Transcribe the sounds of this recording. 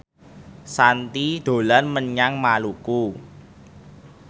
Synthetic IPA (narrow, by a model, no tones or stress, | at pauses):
sant̪id̪̥o̤lanməɲaŋmaluku